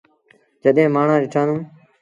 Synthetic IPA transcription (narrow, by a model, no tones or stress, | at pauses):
d͡ʒəɗẽːmaːɳ̤ãːɾɪʈʰãːnũː